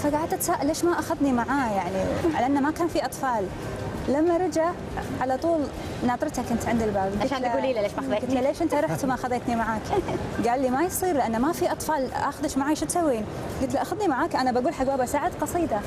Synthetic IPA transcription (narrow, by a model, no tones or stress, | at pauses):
faɡaʕad̪ʔat̪saːʔaleːʃmaʔaxaðnimaʕaːjaʕniʕa̰laʔɪnːamakaːnfiʔɑt̪ˤfɑːl | lamːaɾˤɑd͡ʒa | ʕalat̪ˤuːl | nɑːt̪ˤɾt̪akʔɪnt̪ʕɪnd̪ɪlbaːbɡɪʃaːnaɡuːlileːʃaðɡɪt̪laleːʃʔɪnt̪aɾˤɑħt̪maʔaxaðeːt̪nimaʕaːkɡaːlːimajsˤiːɾlɪʔanːamafiʔɑt̪ˤfɑːlʔa̰xʊðɪʃmaʕaːjʃɪt̪sawːiːn | ɡɪt̪laʔaxaðnimaʕaːkʔanabaɡuːlħaɡbaːbasaːʕɪd̪qɑsˤiːd̪a